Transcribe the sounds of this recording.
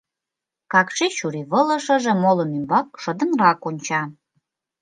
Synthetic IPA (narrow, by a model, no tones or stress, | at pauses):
kɑkʃeʃuɾiβələ̆ʃə̆ʒĕmolə̆nymbɑk̚ʃə̆d̪ə̆nrɑkonʲt͡ɕɑ